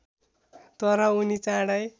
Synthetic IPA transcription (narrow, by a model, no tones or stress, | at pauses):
t̪ʌɾʌunit͡sãɽʌj